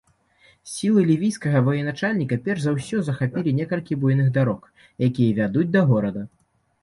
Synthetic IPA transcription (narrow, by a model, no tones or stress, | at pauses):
sʲilˠɨlʲivʲijskɐɣɐvɐjɛnat͡ʂalʲnʲikɐpʲɛrʐzawsʲɔzɐxapʲilʲinʲɛkɐlʲkʲibujnɨɣd̪aɾɔk | jakʲijɐvʲad̪ud͡zʲd̪ɐɣɔɾɐd̪ɐ